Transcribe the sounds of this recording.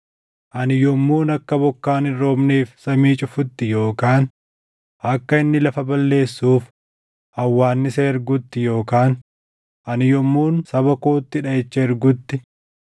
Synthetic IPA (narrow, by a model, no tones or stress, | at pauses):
ʔɐnɪjɔmːuːnɐkːɐbɔkːaːnɪːo̞ːbneːfsɐmiːt͡ʃʼʊfʊt̪ːɪjo̞ːkaːn | ʔɐkːɐɪnːɪlɐfɐbɐlːe̞ːsːuːf | ʔɐwːaːnːɪseɪɾɡʊt̪ːɪjo̞ːkaːn | ʔɐnɪjɔmːuːnsɐbɐkoːt̪ːɪᶑɐɛt͡ʃːɐɪɾɡʊt̪ːɪ